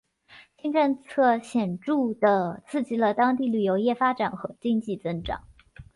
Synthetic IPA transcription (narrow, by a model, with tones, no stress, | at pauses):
t͡ɕʰi˥ŋʈ͡ʂə˥˧nt͡sʰɤ˥˩ɕjɛ˨˩nʈ͡ʂu˥˩d̪ə˩t͡sʰɹ̩˥˩t͡ɕi˥lə˧˨t̪ɑ˥ŋt̪̬i˥˩ly˨˩jo˧˥ʊjɛ˥˩fa˥ʈ͡ʂa˨˩nxɤ˧˥t͡ɕi˥ŋt͡ɕi˥˩t͡sə˥nʈ͡ʂɑ̰˨˩˦ŋ